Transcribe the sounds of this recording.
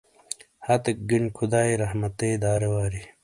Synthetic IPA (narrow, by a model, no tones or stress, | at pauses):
hat̪ek̚ɡiɳkʰud̪aːiɾɐɦmɐt̪eːd̪aːɾewaːɾi